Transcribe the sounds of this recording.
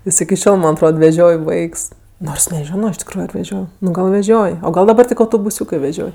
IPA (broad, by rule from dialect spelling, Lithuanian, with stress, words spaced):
ˈjɪs ɪkʲɪ ˈʃʲoːlˠ ˈmɐnʲ ɐtˈroːt ʋʲɛˈʒʲoːj ˈʋɐɪks ˈnoːrs nʲɛˈʒʲoːnoː ɪʃ tʲɪkˈruːjʊ ɐr ʋʲɛˈʒʲoːj nʊ ˈɡɐlˠ ʋʲɛˈʒʲoːj oː ˈɡɐlˠ dɐˈbɐr ˈtʲɪk ɐʊtoːbʊˈsʲuːkɜ ʋʲɛˈʒʲoːj